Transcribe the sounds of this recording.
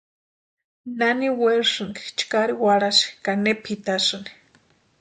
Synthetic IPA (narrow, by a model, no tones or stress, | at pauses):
naniweɺʂɨŋki̥t͡ʃkaɾiwaɽasi̥kanepʰit̪asɨni̥